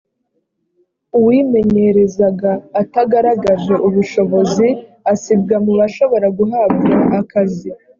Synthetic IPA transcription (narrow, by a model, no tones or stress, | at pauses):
uwiːme̞ɲe̞ɾe̞zaɡaːtaɡaɾaɡaʒe̞ʔuβuʃo̞βo̞zi | asib̚ɡamuβaʃo̞βo̞ɾaɡuɦab̚ɡaakazi